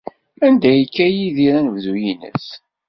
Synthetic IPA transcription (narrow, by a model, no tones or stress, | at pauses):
ænd̪æjəkːæjiðiɾænəvðujinə̰s